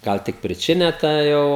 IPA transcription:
ˈɡɐlˠ tʲɪk pʲrʲɪˈt͡ʃʲɪnʲɛ tɐ ˈjɛʊ

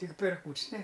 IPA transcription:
tʲɪk pʲɛr ˈkuːt͡ʃʲsʲ nʲɛ

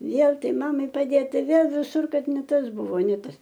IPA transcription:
ˈʋʲeːlˠ ˈtɐɪ ˈmɑːmɐɪ pɐˈdʲeːt ˈtɐɪ ˈʋʲeːlˠ ʋʲɪˈsʊr ˈkɐt nʲɛ ˈtɐs ˈbʊʋoː nʲɛ ˈtɐs

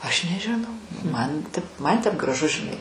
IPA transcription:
ɐʃ nʲɛʒʲɪˈnɐʊ ˈmɐn tʲɪp ˈmɐn tʲɛp ɡrɐˈʒʊ ʒʲɪˈnɐɪ

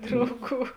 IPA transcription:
ˈdrɐʊˌɡuː

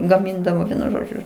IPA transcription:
ɡɐˈmʲɪndɐʋoː ˈʋʲiɛnʊ ˈʒoːd͡ʒʲʊ

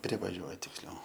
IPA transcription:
ˈpʲrʲɪʋɐˈʒʲuɔjɛ tʲɪksʲˈlʲɛʊ

